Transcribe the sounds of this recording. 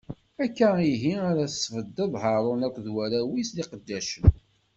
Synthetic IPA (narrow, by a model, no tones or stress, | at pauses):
ækːæiɦiaɾæθsːvəd̪ːəðˤɦəɾˤʊnækʷːðwæɾæwisliqəd̪ːæʃən